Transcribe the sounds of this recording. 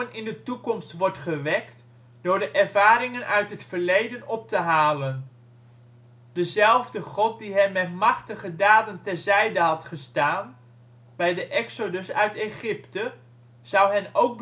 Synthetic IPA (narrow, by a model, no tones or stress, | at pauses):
ənɪndətukɔmstʋɔɹtχəʋɛkt | d̥ʊːɹdəʔɛɹvaːɾɪŋənʔœɥtɦətfəɹlejdənɔp̚təɦaːlən | dəzɛlˠvdəχɔt̚diɦɛnmːɛtmɑχtəχədaːdəntɛrzɛjdəɦɑtχəstaːn | bɛjdəʔɛksodəsœɥteχɪptə | z̥ʌwɦɛnowk̚b